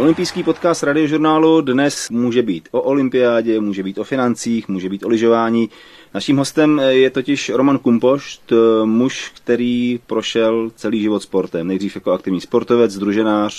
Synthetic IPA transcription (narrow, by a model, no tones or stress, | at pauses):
ʔo̞lɪmpijskiːpo̞t̪kaːst̪ɾadɪo̞ʒuɾnaːludnɛsmuːʒɛbiːt̪ʔo̞ʔolɪmpɪaːɟɛmuːʒɛbiːt̪o̞fɪnant͡siːxmuːʒɛbiːt̪ʔolɪʒo̞vaːɲiː | naʃiːmɦo̞st̪ɛmjɛt̪o̞cɪʃɾo̞mankumpo̞ʃt̪muʃkt̪ɛɾiːpɾo̞ʃɛlt͡sɛliːʒɪvo̞t̪spo̞ɾt̪ɛmnɛjdriːfjakoakt̪ɪvɲiːspo̞ɾt̪o̞vɛt͡sd̪ɾuʒɛnaːr̝̥